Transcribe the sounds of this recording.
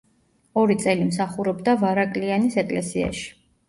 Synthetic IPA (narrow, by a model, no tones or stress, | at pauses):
ɔɾit̪sʼɛlimsaχuɾɔbd̪avaɾakʼlianisɛkʼlɛ̰sia̰ʃi̥